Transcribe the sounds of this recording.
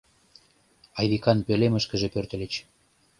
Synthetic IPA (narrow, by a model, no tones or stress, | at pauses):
ɑjβikɑnpeleməʃkə̆ʒepørt̪ə̆lət͡ɕ